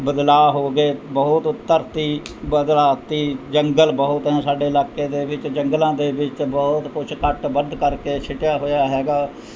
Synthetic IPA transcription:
bəd̪laːɦoːɡeːbəɦʊt̪ʊt̪ːəɾt̪iːbəd̪laːt̪iːd͡ʒəŋɡəlbəɦʊt̪ɦɛ̃ːsaːɖeːɪlaːkːeːd̪eːʋɪt͡ʃd͡ʒəŋɡlãːd̪eːʋɪt͡ʃbɔːt̪kʊt͡ʃʰkəʈbənd̪kəɾkeːt͡ʃʰɪʈɪjaːɦoːjaːɦɛːɡaː

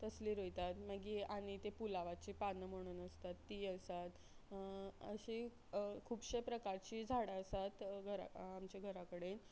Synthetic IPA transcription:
t̪əsliːɾojt̪at̪məɡiaɽ̃it̪epulaʋat͡ɕiːpanːəmoɽ̃uːnəst̪at̪ːiːəsat̪ | ə̰ɕi | kʰuːbɕepɾəkaɾt͡ɕiːd͡zʱaɽaəsat̪ɡʱəɾa̰amt͡ɕeɡʱəɾakəɽen

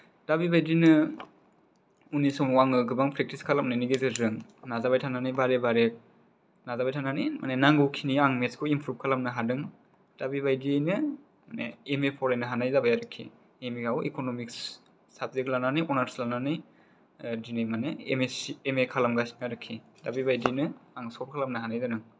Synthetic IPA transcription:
d̥abibʱajdinɯ | unisɔmwaŋɯɡɯbaŋpʰɾek̚tiskʰalamnɯniɡezɯɾzɯŋnazabajtʰananɯjbaɾebaɾek̚ | nazabajtʰananimʔa̰nenaŋɡukʰiniaŋmeskʰoimpʰɾup̚kʰalamnɯɦadɯŋ | d̥abibajdiajnɯ | manḛemepʰɔɾajnɯɦanajzabajaɾɯkʰːḭ | emikawḛkonomiks | sab̚zeklananijɔnaɾslananɯj | dinimaneemesemekʰalamɡasnaɾɯkʰːi | dabibajdijnɯaŋsɔp̚kʰalamnɯɦanajzanɯŋ

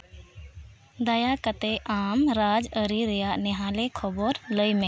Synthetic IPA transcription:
d̪ɐjakət̪eʔaːmɾaːd͡ʒəɾiɾɛjaʔnɛɦãlekʰɔbɔɾləjmẽ

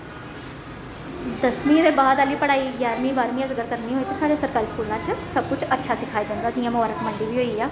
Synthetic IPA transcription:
d̪əsmĩːɾeːbaːd̪aːliːpəɽaːiːɡjaːɾmĩːbaːɾmĩːãzɪkəɾkəɾniːɦoːiːt̪eːsaːɽejãːsəɾkaːɾiːskuːlãːt͡ʃsəb̚kʊt͡ʃətːʃʰaːsɪkʰaːjaːd͡ʒãːnd̪aːd͡ʒiːãːmʊaːɾəkməɳɖiːʋiːɦoːiaː

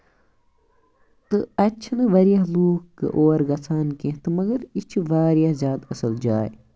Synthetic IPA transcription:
t̪ɨɐt͡ʃʰɐnɨʋɐɾijaɦluːkkːɨ̰ʔoːɾɡɐsʰaːnkẽɦt̪ɨmɐɡɐɾit͡ʃʰiʋaːɾijaɦzjaːt̪ɐsɐld͡ʒaːj

